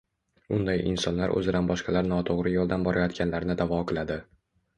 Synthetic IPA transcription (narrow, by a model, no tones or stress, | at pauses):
ʊnd̪ajʔɪ̰nsɒnlaɾʔɵ̰zɪd̪anbɒʃqɑlaɾnɒt̪ʰoʁɾɪjɒlˠd̪anbɒɾʔajɒt̪kʲʰanlaɾnɪd̪avɒqʰɨlˠad̪ɪ